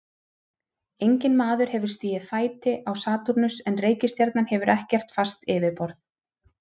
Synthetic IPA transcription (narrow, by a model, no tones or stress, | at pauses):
ejɲcɪnmaːðʏɾ̥hɛvʏɾ̥st̪iːɪfaːjt̪ɪʔawsaːt̪uɾnʏsɛnreːjcɪst̪jɛɾt̪nanhɛvʏɾʔɛhcɛr̥t̪fast̪ɪːvɪɾpɔɾθ